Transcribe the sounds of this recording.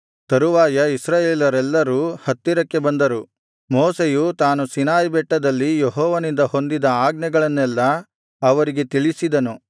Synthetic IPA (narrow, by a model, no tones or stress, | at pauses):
t̪ɐɾuʋaːjɐisɾaːjeːlɐɾɛlːɐɾuːhɐt̪ːiɾɐkːe̞bɐnd̪ɐɾu | mɔːsejut̪aːnusinaːjbɛʈːɐd̪ɐlːijeɦɔːʋɐnind̪ɐho̞nd̪id̪ɐaːɡnɐɡɐɭɐnːɛlːɐ | ɐʋɐɾiɡe̞t̪iɭisid̪ɐnu